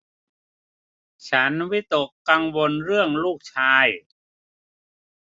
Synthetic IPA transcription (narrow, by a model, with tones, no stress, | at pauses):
t͡ɕʰa˦˥nwi˦˥t̪o˨˩kːa˧ŋwo˧nɾɯ˥˩əŋluː˥˩k̚t͡ɕʰaː˧j